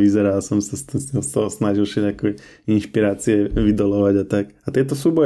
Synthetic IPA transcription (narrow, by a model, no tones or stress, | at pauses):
ʋizɛɾalsɔmsast̪ilsasnaʒilʃɛʎakɔ | inʃpiɾaːt͡siɛʋid̪ɔlɔʋaɟat̪akat̪ɛt̪ɔsubɔ